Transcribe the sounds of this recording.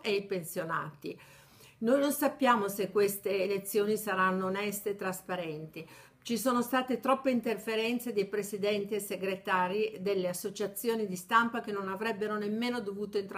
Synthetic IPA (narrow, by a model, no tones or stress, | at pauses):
ʔeipensjona̰ːt̪i | nojnonsapːjaːmosekːwest̪eːlet̪sːjoːnisaɾanːoːnɛst̪eːt̪ːɾaspaɾɛnt̪i | t͡ʃisoːnost̪aːt̪et̪ɾɔpːeint̪erfeɾɛnt̪sed̪ejpɾesid̪ɛnt̪ieseɡɾet̪aːɾid̪elːeasːot͡ʃat̪sːjoːnid̪ist̪ampak̟enonavɾɛbːeɾonemːeːnod̪ovuːt̪oint̪ɾ